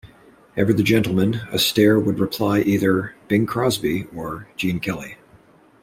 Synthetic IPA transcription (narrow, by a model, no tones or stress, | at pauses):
ɛvə˞ðɨd͡ʒɛ̃ntˡl̩ˠmɨ̃nɨ̰stɛɹwəd̚ɹɨpʰl̥aɪʔiðə˞b̥ɪ̃ŋkʰɹ̥ɑzbiə̥˞d͡ʒĩnkʰɛlˠi